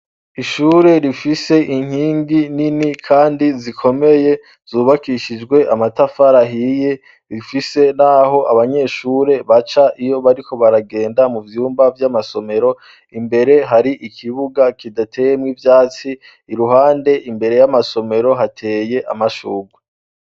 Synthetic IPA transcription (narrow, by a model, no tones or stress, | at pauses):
iʃuːɾe̞ɾifise̞ʔiŋ̥hiːŋɡininikʰaːndizikʰo̞me̞je̞ | z̥uːβakiʃid͡ʒɡwe̞ʔamatafaɾaɦije | ɾifise̞naɦo̞ʔaβaɲe̞ːʃuːɾe̞βat͡ʃaʔijo̞βaɾikʰo̞βaɾaɡe̞ːndamuvjuːmbavjamaso̞me̞ɾo̞ | imbe̞ɾe̞ɦaɾiʔikʰiβuɡakidatʰe̞ːje̞mŋivjaːt͡siː | ɾuɦaːnde̞ʔimbe̞ɾe̞jamaso̞me̞ɾo̞ɦatʰeːje̞ʔa̰maʃṵːɡwe